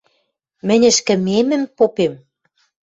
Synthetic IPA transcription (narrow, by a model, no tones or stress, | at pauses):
mɘ̆nʲɘ̆ʃkɘ̆memɘ̆mpopem